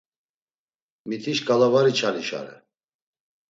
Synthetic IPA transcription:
mit̪ʰiʃkʼalavaɾit͡ʃʰaɾiʃa̰ɾɛ̰

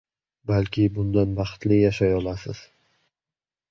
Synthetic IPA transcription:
balkʲʰɪbʊnd̪anbɑχt̪lɪjaʃajɒlˠasɪz̥

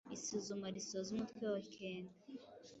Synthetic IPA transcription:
isuzumaɾisozumutkwewaikʰeːnde

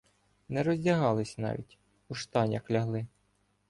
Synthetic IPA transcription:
nɛɾɔzʲdʲɐɦɑlˠɪsʲnɑ̰ʋʲḭtʲ | uʃt̪ɑnʲɐxlʲɐɦlˠɪ

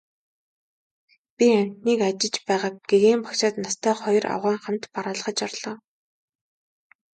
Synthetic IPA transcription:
pʲiam̥ʲt̪niːkat͡ɕɪ̆t͡ɕpæːʁaːk̚ɡ̥eɣeːmpḁkt͡ɕaːt̪nast̪ʰæːχɔjɞra̰wʁæːɴχam̥t̪paɾaːɮə̆χə̆t͡ɕarɮ̥ɔː

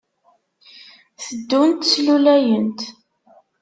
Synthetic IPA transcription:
θəd̪ːunt̪slulæjənt̪

